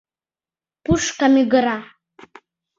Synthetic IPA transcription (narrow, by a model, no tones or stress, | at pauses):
puʂkamiɡɨɾa